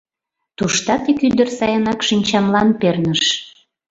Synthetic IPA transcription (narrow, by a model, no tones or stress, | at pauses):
t̪uʃt̪ɑt̪ikyd̪ərsɑjənɑkʃinʲt͡ɕɑmlɑnpernəʃ